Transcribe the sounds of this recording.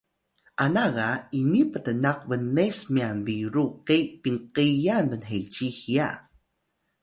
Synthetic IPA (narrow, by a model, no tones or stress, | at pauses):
ʔanaɣainipətənaqvənːesmianbiɾuqepiŋqijanbənɦet͡ɕixia̰